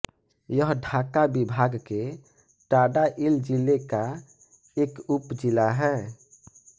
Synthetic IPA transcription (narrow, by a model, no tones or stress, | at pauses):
jəɦɖʱakabibʱaɡke | ʈaɖaʔild͡ʒileka | eːkupd͡ʒilaɦɛː